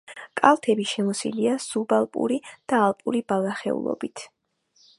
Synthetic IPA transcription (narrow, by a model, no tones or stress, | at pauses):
kʼalˠt̪ʰɛbiʃɛmɔsḭliasubalˠpʼṵɾid̪̥aːlˠpʼuɾibalˠaχɛ̰ṵlˠɔ̰bit̪ʰ